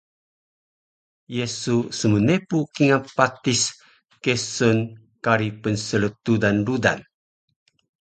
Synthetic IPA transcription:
jesusəmənepukiŋapat̪is | kesɔn | kaɾipənsələt̪udanɾuda̰n

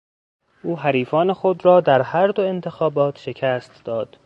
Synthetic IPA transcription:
ʔuːɦæɾiːfɒːnexo̞d̪ɾɒːd̪æɾhæɾd̪oe̞nt̪ʰe̞xɒːbɒːt̪ʰʃe̞cʰæːst̪d̪̥ɒːd̪̥

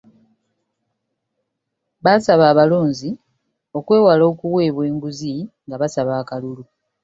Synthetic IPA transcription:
βaːsaβaːβalo̞ːnzi | o̞kwe̞ːwalo̞ːkuwe̞ːβwe̞ːŋɡuziŋɡaβasaβaːkalulu

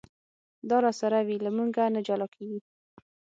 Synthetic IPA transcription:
d̪ɑɾɑsaɾawilamuɡanad͡ʒalɑkʰeɡi

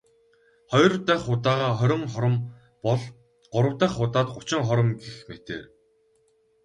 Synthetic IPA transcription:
χɔjrt̪æːχʊːt̪aːʁaːχœɾʲɪ̆ŋm | ɔɮ | ɢ̥ʊɾə̆wt̪æːχʊːt̪aːt̪̚ɢʊt͡ɕɪ̆ŋχɔɾɞ̆mɡexmet̪ḛːr

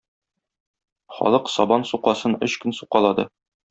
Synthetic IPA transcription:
χɒ̰lˠɤqsɒbɑnsuqɑsɤnɵɕkɘnsuqɑlˠɑd̪ɤ

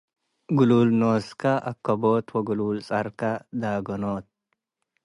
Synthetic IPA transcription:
ɡʊluːlnoːskɐʔɐ̰kːɐboːt̪wɐɡʊluːlsʼɐɾkɐd̪aːɡɔnoːt̪̚

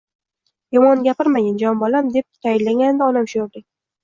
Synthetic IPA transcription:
jɒmɒnɡʲapɪɾmajand͡ʒɒmbɒlamd̪e̞p̚t̪ʰajɪnlaŋʲand̪ɪɒnamʃʊjoblɪk̚ʲ

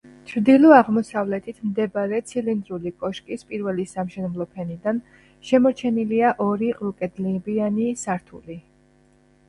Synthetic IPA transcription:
t͡ʃʰɾd̪ilˠɔaʁmɔsavlɛt̪ʰit̪ʰmd̪ɛbaɾɛt̪sʰilind̪ɾulikʼɔʃkʼispʼiɾvɛlisamʃɛnɛblˠɔpʰɛnid̪an | ʃɛmɔɾt͡ʃʰɛniliaʔɔɾilukʼɛd̪libianisaɾt̪ʰṵli

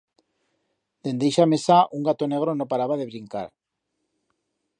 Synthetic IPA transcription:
d̪e̞nd̪ejʃamesaʔuŋɡat̪oneɣ̞ɾonopaɾaβaðeβɾiŋka̰ɾ

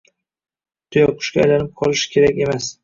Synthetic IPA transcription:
t̪ʰʊjɒqʰʊ̥ʃkʲaa̰jlanɪp̚qʰɒlˠɪʃɪ̥kʲʰe̞ɾakʲe̞mas

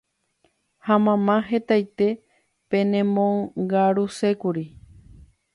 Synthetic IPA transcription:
hamãmãɦe̞t̪ajt̪e̞ | pẽ̞nẽmõŋɡaɾuse̞kuɾi

